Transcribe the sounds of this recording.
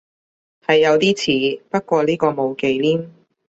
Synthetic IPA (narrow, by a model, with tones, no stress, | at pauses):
hɐ˨jːɐ˨˧wt̪iː˥t͡sʰiː˨˥pɐ˥t̚kʷɔː˧liː˥kɔː˧mo˨˧wke˨˧jliː˥m